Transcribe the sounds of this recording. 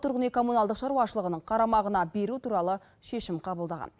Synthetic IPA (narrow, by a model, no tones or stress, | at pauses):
t̪ʰʊɾʁənekʰo̞munɑlˠd̪əqʃɑɾuwɑʃəlˠəʁənəɴqʰɑɾɑmɑʁənɑbe̞ɾut̪ʰuɾɑlˠə | ʃe̞ʃɪmqʰɑbəlˠd̪ɑʁɑ̰n